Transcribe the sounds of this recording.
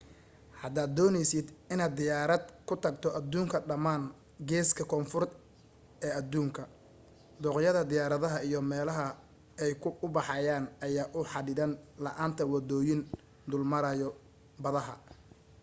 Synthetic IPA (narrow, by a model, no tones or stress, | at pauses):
hɐd̪aːd̪ːɔːnɛjsɪd̪ɪnaːd̪ɪjaːɾɐd̪kʰʊt̪ʰɐɡt̪ʰɔʔɐd̪uːŋkʰɐɖɐmaːn | ɡɛːskʰɐkʰɔːnfʊrt̪ | ɛːɐd̪uːŋkʰɐ | d̪ɔːqjɐðɐd̪ɪjaːɾɐðɐɦɐijɞmɛːlɐɦɐ | ɛjkʰʊbɑħɑjaːnɐjaːʔʊħɑɽɪðɐnlɐʔaːnt̪ʰɐwɑd̪ɔːjɪn | d̪ʊlmɐɾɐjɔ | bɐðɐɦɐ̰